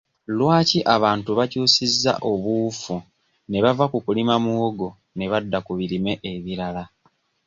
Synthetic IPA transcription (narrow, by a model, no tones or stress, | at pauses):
lwaːciʔaβaːntuβacuːsizːa̰ʔo̞βuːfu | ne̞βavakukulimamuoɡo̞ | ne̞βadːakuβiɾime̞ʔeβiɾala